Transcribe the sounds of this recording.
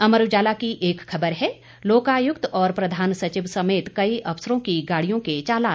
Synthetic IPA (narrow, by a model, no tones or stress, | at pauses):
ɐməɾʋd͡ʒaːlakiʔeːkxɐbəɾɦɛː | loːkaːjʊkt̪ɔːɾpɾɐd̪ʱaːnsɐt͡ʃɪʋsɐmeːt̪kɐiʔɐʋsəɾõkiɡaːɽijõket͡ʃaːlaː